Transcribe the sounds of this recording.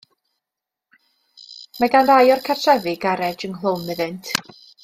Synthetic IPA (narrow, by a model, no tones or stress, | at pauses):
maɡandajɔrkʰarsɛvɨɡaɾɛd͡ʒənɦlˠownɨðɪntʰ